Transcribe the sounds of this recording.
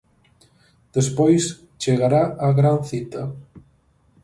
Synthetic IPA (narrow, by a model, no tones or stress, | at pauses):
d̪̥espojs | t͡ʃeɣaɾaaɣɾanθit̪ɐ